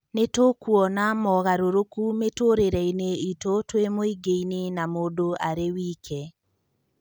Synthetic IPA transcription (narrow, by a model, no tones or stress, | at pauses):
netokwɔnamɔɣaɾoɾokumetoɾeɾɛineitotwemoiɡeinenamoːdoaɾewiːkʰɛ